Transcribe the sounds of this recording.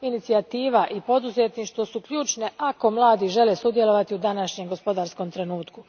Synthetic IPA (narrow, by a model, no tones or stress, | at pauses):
init̪siat̪iːʋaʔipo̞d̪uzet̪niːʃt̪ʋo̞sukʎuːt͡ʃne̞ʔako̞mlˠaːd̪iʒe̞lesud̪je̞lo̞ʋat̪iud̪anaʃɲe̞mɡo̞spo̞d̪aːɾsko̞mt̪ɾe̞nuːt̪ku